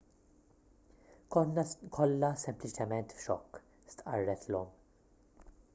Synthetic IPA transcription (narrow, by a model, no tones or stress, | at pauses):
kɔnːɐkʰɔlːɐsɛmplɪt͡ʃɛmɛnt̪fʃɔkː | st̪ʔɐ̰rːɛt̪lɔm